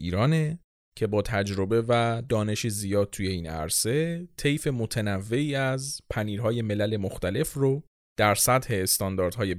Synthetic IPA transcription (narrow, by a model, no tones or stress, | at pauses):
iːɾɒːne̞ | cʰe̞bɒːt̪ʰæd͡ʒɾo̞be̞væd̪ɒːne̞ʃizijɒːd̪̚t̪ʰuːje̞iːnæ̰ɾse̞t̪ʰe̞jfe̞mo̞t̪ʰenævːe̞iːæzpʰæniːɾɦɒːje̞me̞læle̞moxt̪æle̞fro | d̪̥æɾsæt̪he̞ːst̪ɒnd̪ɒːɾd̪̥hɒːje̞